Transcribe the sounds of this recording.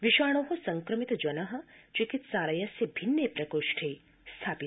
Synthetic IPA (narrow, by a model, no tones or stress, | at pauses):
ʋiʃaːɽ̃oːɦɐsɐŋkɾɐmit̪d͡ʒɐnɐɦɐ̆t͡ʃikit̪saːɾɐjɐsjɐbʱinːepɾɐkoːʃʈʰej | st̪ʰaːpi